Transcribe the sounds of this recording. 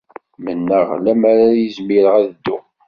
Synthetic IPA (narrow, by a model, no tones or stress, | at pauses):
mənːəʁlæmaɾajəzmiɾəʁæðəd̪ːʊ